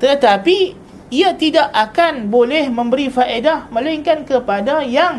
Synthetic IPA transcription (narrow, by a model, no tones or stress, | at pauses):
t̪ət̪api | iat̪idaʔakanbolɛhmə̃mbəɾifaʔedahmə̃laŋkankəpadajaŋ